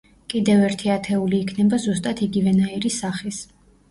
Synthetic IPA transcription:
kʼid̪ɛvɛɾt̪ʰiat̪ʰɛuliːkʰnɛbazust̪ʼat̪ʰiɡivɛnaiɾisaχis

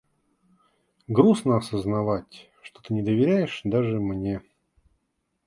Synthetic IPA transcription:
ɡɾusnəɐsəznɐvatʲ | ʂt̪ot̪ɨnʲɪd̪əvʲɪɾʲæjɪʂd̪aʐɨmnʲe̞

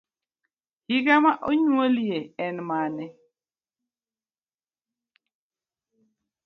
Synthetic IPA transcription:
hiɡamaʔoɲwolieɛnmanɛ

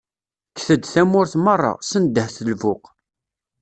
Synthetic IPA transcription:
kθəd̪θæmːʊɾθmərˤːɑ̰sənd̪ːəhθəlvʊq

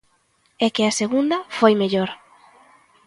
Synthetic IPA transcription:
ɛkɪɐseɣund̪ɐfojmeʎoɾ

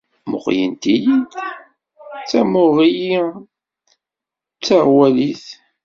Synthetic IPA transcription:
mʊ̰qjənt̪ijin | t͡sːæmʊʁiji | t͡sːaʁwæliθ

